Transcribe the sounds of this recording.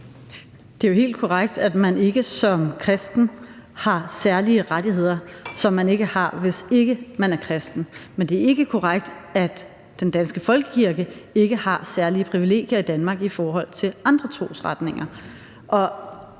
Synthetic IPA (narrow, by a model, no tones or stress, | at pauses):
d̥e̝æjo̝ɦe̝̰ːld̥̚kʰɒʁaɡ̥d̥æd̥mæne̝ɡ̥əsɒ̽mkʰʁɛsd̥n̩hɑ̈sæɐliəʁadihe̝ð̰ˠɐsɒ̽mːæne̝ɡ̥əhɑ̈ʋe̝se̝ɡ̥əmænæɐkʰʁɛsd̥n̩mend̥e̝æɐe̝ɡ̥əkʰɒʁaɡ̥d̥æ̥ | d̥end̥ænsɡ̥əfɒ̽lɡ̥əkʰiɐɡ̥əe̝ɡ̥əhɑ̈sæɐliəpʰʁiʋile̝̰ːɡ̥jɐid̥ænmɑ̈ːɡ̥ifɒːɦɒ̽l̰t͡sʰe̝lʔɑ̈nd̥ʁɐt͡sʰʁo̝̰ːsʁad̥ne̝ŋɐ | ʔɒ̽